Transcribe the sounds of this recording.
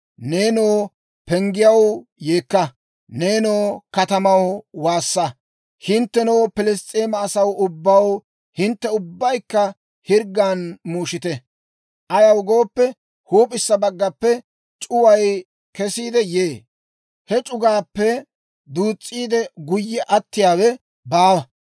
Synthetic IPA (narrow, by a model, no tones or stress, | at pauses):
neːnoː | pɛŋɡɪjɐwjeːkːɐ | ne̞ːnoːkɐt̪ɐmɐwwaːsːɐ | hɪnt̪ːɛnoːpɪlɛst͡sʼːeːmɐːsɐwʊbːɐw | hɪnt̪ːɛʊbːɐjkːɐ | hɪɾɡːaːnmuːʃɪt̪ɛ | ʔɐjɐwɡo̞ːpːɛ | huːpʼɪsːɐbɐɡːɐpːɛ | t͡ʃʼʊwɐj | kɛsiːd̪ɛjeː | hɛt͡ʃʼʊɡaːpːɛ | d̪uːt͡sʼːiːd̪ɛɡʊjːɛʔɐt̪ːɪjaːwɛ | baːwɐ